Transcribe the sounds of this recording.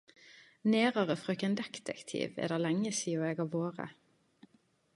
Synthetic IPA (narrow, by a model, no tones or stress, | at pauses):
neːʁɑʁəfʁøːkɛnd̪ɛkt̪ʰɛ̰kt̪ʰḭːʋḛːd̪æʁlɛŋəsiːʊeːɡɑʋoːʁə̰